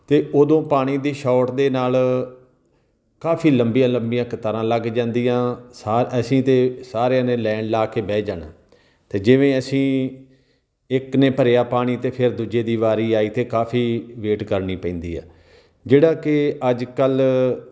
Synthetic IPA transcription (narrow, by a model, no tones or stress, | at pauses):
t̪eːʔoːd̪õːpaːɽ̃iːd̪iːʃɔːʈd̪eːnaːl | kaːpʰiːləmbijãːləmbijãːkət̪əɾãːləɡd͡ʒãːnd̪iːãːsaːəsĩːt̪eːsaːɾjãːnẽːlɛ̃ːɳɖlaːkeːbɛːd͡ʒaːna̰ː | t̪eːd͡ʒɪʋẽːəsĩː | ɪkneːpəɾjaːpaːɽ̃iːt̪eːpʰɪɾd̪ud͡ʒeːd̪iːʋaːɾiːaːiːt̪eːkaːfʰiːʋeːʈkəɾniːpɛ̃ĩːnd̪ḭːɛ̰ː | d͡ʒeːɽaːkɪəd͡ʒkəl